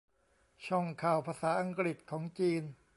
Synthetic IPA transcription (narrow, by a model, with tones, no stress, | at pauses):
t͡ɕʰɔ˥˩ŋkʰaː˨˩wpʰaː˧saː˩˦ʔa˧ŋkɾi˨˩t̪̚kʰɔː˩˦ŋt͡ɕiː˧n